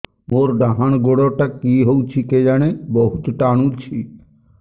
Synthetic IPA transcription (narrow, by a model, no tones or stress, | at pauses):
moɾɖaɦañɡoɽoʈakiɦowt͡ɕʰiked͡ʒañebɔɦut̪ʈañut͡ɕʰi